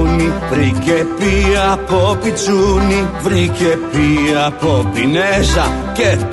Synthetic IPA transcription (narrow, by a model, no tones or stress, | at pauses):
nivɾicepiɐpopit͡sunivɾicepiɐpopinesɐ | ce